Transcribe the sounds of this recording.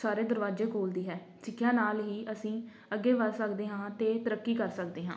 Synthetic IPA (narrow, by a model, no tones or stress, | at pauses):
saːɾeːd̪əɾʋaːd͡ʒeːkoːld̪iːɦɛː | sɪkʰːjãːnaːlɦiːʔəsĩː | əɡːeːʋəɾsəkd̪eːɦãːt̪eːt̪əɾəkːiːkəɾsəkd̪eːɦãː